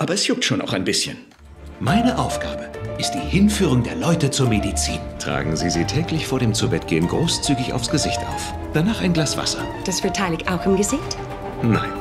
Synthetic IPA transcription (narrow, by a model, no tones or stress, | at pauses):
ʔaːbɐɛsjʊk̚tʃoːna̰ʊxaɪnbɪsçə̰n | maɪnəʔaʊfɡ̥a̰ːbəʔɪst̚d̥iːhɪnfyːʁ̞ʊŋdeːɐlɔʏtət͡suːɐmedit͡sḭːntʁ̥a̰ːɡŋ̩ziːziːtʰɛːklɪçfoːɐɾeːmt͡subɛt̚ɡ̥ḛːənɡʁoːst͡syːɡɪça̰ʊfsɡ̥əzɪçtʔa̰ʊf | d̥anaːχaɪnɡlaːsv̥a̰sɐ̰d̥asfɪɐtʰaɪlɪçtʔaʊxɪmɡəzɪçt | na̰ɪn